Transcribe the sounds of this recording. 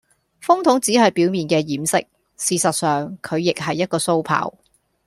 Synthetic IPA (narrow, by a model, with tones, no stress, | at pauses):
fʊ˥ŋt̪ʰʊ˨˥ŋt͡siː˨˥hɐ˨jpiː˨˥wmiː˨nkɛː˧jiː˨˥msɪ̰˥k̚ | siː˨sɐ˨t̚sœː˨˩ŋkʰɵ˨˧ɥjɪ˨k̚ɦɐ˨jːɐ˥t̚kɔː˧so˥wpʰa̰ː˨˥w